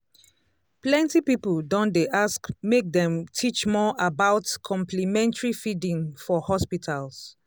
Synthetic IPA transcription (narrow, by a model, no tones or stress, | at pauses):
plɛ̃ntipipəldɔ̃ndeʔaskmek̚dɛ̃mtʰit͡ʃmɔʔabaʊtkʰɔ̃mplimɛ̃ntəɹifidĩŋfɔhɔspitʰals